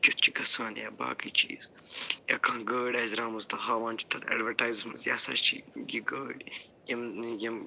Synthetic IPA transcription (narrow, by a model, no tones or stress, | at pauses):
t͡ʃut̪̚t͡ʃʰi̥kɐsaːnjaːba̰ːkit͡ʃiːz̥ | ja̰ːkaŋɡəːɖaːzɾaːmɐzt̪ɐɦaːʋãːnt͡ʃʰi̥t̪ʰɐnɐ̰ɖʋɐɾʈaːjzsmɐzja̰ːsa̰ʃt͡ʃʰḭɡiɡəːɽ | jimjɐm